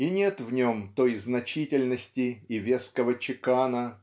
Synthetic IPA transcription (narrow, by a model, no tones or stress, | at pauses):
inʲe̞t̪vnʲo̞mt̪o̞jznɐt͡ɕitʲɪlʲnəsʲtʲɪɪvʲeskəvət͡ɕɪkanə